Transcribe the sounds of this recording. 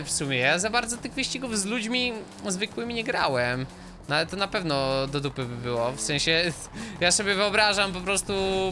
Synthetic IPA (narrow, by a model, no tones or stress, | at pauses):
fsumʲjɛjazabaɾd̪zɔt̪ɘɣvɨɕt͡ɕiɡuvzlud͡ʑmʲi | zvɘkwɘmʲiɲɛɡɾawɛm | nalɛt̪ɔnapɛvnɔd̪ɔd̪upɘbɘbɘwɔfsɛ̃ɕɛ | jasɔbʲjɛvɘɔbɾaʐampɔpɾɔst̪u